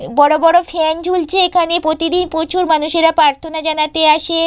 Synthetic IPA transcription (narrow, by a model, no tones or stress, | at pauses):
bɔɽobɔɽofʰɛnd͡ʑult͡ɕʰeekʰanepɾot̪id̪inpot͡ɕuɾmanuʃeɾapɾaɾt̪ʰonad͡ʑanat̪eaʃe